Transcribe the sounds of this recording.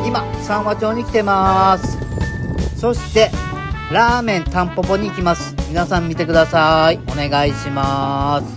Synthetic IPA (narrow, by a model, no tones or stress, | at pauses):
imasãɰ̃βat͡ɕo̞ːɲ̟ikʲi̥t̪e̞masɨ̥ | so̞ɕi̥t̪e̞ | ɾaːmẽ̞nt̪ãmpo̞po̞ɲ̟iːkʲimasɨ̥mʲinasãmːʲit̪e̞kɯ̟d̪asaio̞ne̞ɡaiɕimasɨ̥